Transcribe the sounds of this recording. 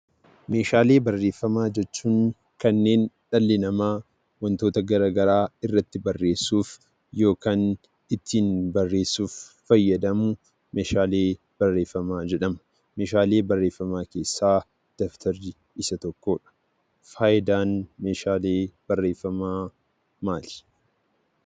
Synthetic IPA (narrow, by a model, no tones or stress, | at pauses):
me̞ːʃaːle̞ːbɐrːe̞ːfːɐmaːd͡ʒɛt͡ʃːuːŋ | kɐnːeːnᶑɐlːɪnɐmaː | wɐnt̪o̞ːt̪ɐɡɐɾaːɡɐɾaːɪrːɐt̪ːɪbɐrːe̞ːsːuːf | jo̞ːkaːn | ɪt̪ːiːnbɐrːe̞ːsːuːfː | ɐjːɐd̪ɐmʊ | meːʃaːle̞ː | b̥ɐrːe̞ːfːɐmaːd͡ʒɛᶑɐmʊ̥ | meːʃaːle̞ːbɐrːe̞ːfːɐmaːke̞ːsːaː | d̪̥ɔft̪ʰɐɾɪ | ɪsɐt̪ɔkːoːᶑɐ̥ | faːjɪd̪aːnmeːʃaːleːb̥ɐrːe̞ːfːɐmaː | maːlɪ̥